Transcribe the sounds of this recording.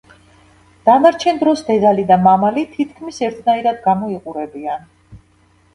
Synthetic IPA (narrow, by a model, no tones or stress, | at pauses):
d̪̥anaɾt͡ʃʰɛnd̪ɾɔsd̪ɛd̪alid̪amamalit̪ʰit̪ʰkʰmisɛɾt̪ʰnaiɾad̪ɡamɔiqʼuɾɛbian